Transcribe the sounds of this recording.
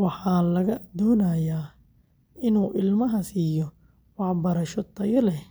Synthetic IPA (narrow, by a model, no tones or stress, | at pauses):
wɑħɑːlɐɣɐd̪ɔːnaːjaː | ɪnuːʔɪlmɐɦɐsiːjɔ | wɑħbɐɾɐʃɔt̪ʰːɐjɐlɛ